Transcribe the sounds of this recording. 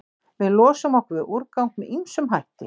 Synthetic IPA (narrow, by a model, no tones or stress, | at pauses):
vɪðlɔːsʏmɔwhkvɪʔuɾkawŋt̪mɛðimsʏmɦajht̪ɪ̰